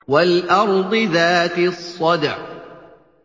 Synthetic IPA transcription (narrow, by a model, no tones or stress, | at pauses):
walʔɑɾˤd̪ˤɨðaːt̪ɪsˤːɑd̪ʕ